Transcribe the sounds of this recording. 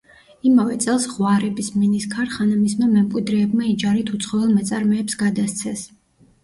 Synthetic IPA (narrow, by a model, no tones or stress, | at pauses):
imavɛt̪sʼɛlˠsʁwaɾɛbisminiskʰaɾχanamismamɛmkʼwid̪ɾɛːbmaid͡ʒaɾit̪ʰut̪sʰχɔvɛlˠmɛt̪sʼaɾmɛːpsɡad̪ast̪sʰɛs